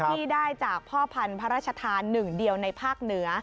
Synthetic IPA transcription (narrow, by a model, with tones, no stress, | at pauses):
iː˥˩daː˥˩jt͡ɕaː˨˩k̚pʰɔː˥˩pʰa˧npʰa˦ɾaː˥˩t̚t͡ɕʰa˧t̪ʰaː˧nːɯ˨˩ŋdi˧əwna˧jpʰaː˥˩k̚nɯ˩˦˥ɐ